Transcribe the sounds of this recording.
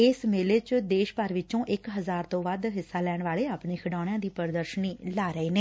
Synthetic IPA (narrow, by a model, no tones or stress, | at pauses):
ɪsmeːleːt͡ʃd̪eːʃpəɾʋɪt͡ʃõːʔɪkɦəzaːɾt̪õːʋaːd̪ɦɪsːaːlɛːɳʋaːɭeːaːpɳeːkʰɪɖaːɽ̃jãːd̪iːpəɾd̪əɾʃəniːlaːɾəeːneː